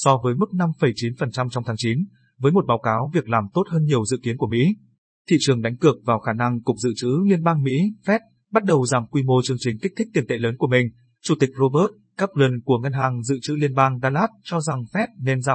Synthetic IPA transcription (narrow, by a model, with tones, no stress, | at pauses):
sɔ˧vəː˨˦jmɨ˦˥k̚na˧mfə˨˩jt͡ɕi˨˦nfə˨˩nt͡ɕa˧mt͡ɕɔ˧wŋ͡mt̪ʰaː˨˦ŋt͡ɕi˨˦n | vəː˨˦jmo˨˩t̚ɓaː˨˦wkaː˨˦wvi˨˩ək̚laː˨˩mt̪o˦˥t̚həː˧nɲi˨˩əwzɨ̰˧˨ki˨˦ənku˧˩əmḭ˧˥ | t̪ʰḭ˧˨t͡ɕɨ˨˩əŋɗa˨˦ŋ̟kɨ˨˩ək̚vaː˨˩wxaː˧˩na˧ŋkʊ˨˩k͡p̚zɨ̰˧˨t͡ɕɨ̰˧˥li˧ənɓaː˧ŋmḭ˧˥fɛ˦˥t̚ | ɓa˦˥t̚ɗə˨˩wzaː˨˩mkwi˧mo˧t͡ɕɨ˧əŋt͡ɕï˨˩ŋ̟ki˦˥k̚t̪ʰi˦˥t̪i˨˩ənt̪ḛ˧˨ləː˨˦nku˧˩əmï˨˩ŋ̟ | t͡ɕu˧˩t̪ï˨˩k̚zo˧ɓəː˦˥t̚ | kaː˦˥p̚lə˧nku˧˩əŋə˧nɦaː˨˩ŋzɨ̰˧˨t͡ɕɨ̰˧˥li˧ənɓaː˧ŋɗaː˧laː˦˥t̚t͡ɕɔ˧za˨˩ŋfɛ˦˥t̚ne˧nzaː˧˩